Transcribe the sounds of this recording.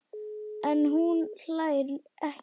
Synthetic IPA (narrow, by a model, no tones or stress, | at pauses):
ɛnːɦunɬajɾʔɛh